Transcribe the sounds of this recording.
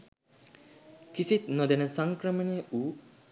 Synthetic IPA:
kisit̪nod̪enəsaŋkɾəməneʔuː

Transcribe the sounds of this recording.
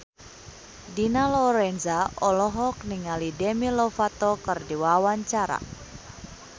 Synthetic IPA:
dinalɔɾɛnzaʔɔlɔɦɔk̚niŋalidɛmilɔfat̪ɔkərdiwawaɲt͡ʃaɾa̰

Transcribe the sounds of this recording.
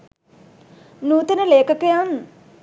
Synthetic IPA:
nuːt̪enəleːkəkəjan

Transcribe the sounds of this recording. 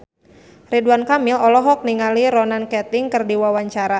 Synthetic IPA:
riduankamɪlɔlɔɦɔk̚niŋaliɾɔnankɛt̪ɪŋkərdiwawaɲt͡ʃaɾa

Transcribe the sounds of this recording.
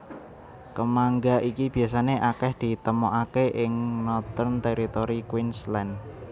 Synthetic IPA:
kəmaŋɡaʔikib̥i̤as̬aneʔakɛhd̪̥i̤t̪əmoʔakeʔɪŋnɔt̪ɔrnt̪eɾit̪oɾikwinslɛn

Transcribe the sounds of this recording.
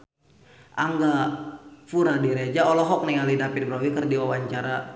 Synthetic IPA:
ʔaŋɡa | fuɾadiɾed͡ʒaɔlɔɦɔk̚nialidapɪt̪̚bɾawikərdiwawaɲt͡ʃaɾa

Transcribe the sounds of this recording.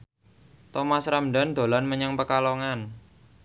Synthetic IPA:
t̪ɔmasɾamɖa̤nd̪̥o̤lanməɲaŋpəkaloŋan

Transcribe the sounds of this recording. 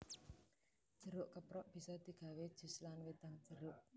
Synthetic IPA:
d̥ʒ̥ə̤ɾʊʔkəpɾɔʔb̥i̤sɔd̪̥i̤ɡ̥a̤wed̥ʒ̥ṳslanwed̪̥a̤ŋd̥ʒ̥əɾʊʔ

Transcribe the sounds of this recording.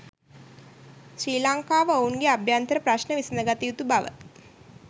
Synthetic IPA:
ʃɾiːlaŋkaːʋəounɡeabjant̪əɾəpɾaʃnəʋisənəɡat̪iut̪ubaʋə̰

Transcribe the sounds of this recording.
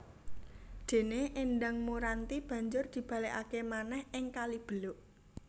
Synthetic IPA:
d̪̥e̤neʔɪnɖaŋmuɾant̪ib̥ä̤ɲd͡ʒʊrd̪̥i̤b̥ä̤leʔakemanɛhʔɪŋkalib̥ə̤lʊʔ

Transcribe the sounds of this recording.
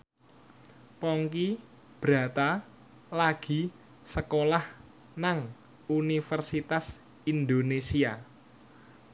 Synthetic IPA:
pɔŋki | b̥ɾä̤t̪a | laɡ̥i̤ | səkolah | naŋ | unifərsit̪as | ind̪onesia

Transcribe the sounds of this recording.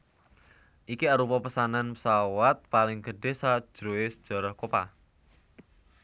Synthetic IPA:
ʔikiaɾupɔpəsananpəsawat̪̚palɪŋɡəɖ̥e̤sad̥ʒ̥ɾoesə̥d̥ʒ̥a̤ɾɔhkopa̰

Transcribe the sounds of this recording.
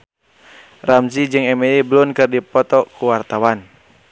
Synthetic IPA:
ramzid͡ʒɨŋɛmɛiblunkɨrdipɔt̪ɔkuwart̪awan

